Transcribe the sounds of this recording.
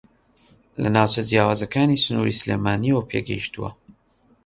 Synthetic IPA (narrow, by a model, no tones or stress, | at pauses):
lɐnaːwt͡ʃʰɐd͡ʒjaːwaːzɐkʰaːnisɨnuːɾḭsɨlḛːmaːniwɐpʰḛːɡɐ̰jiʃt̪uwɐ̰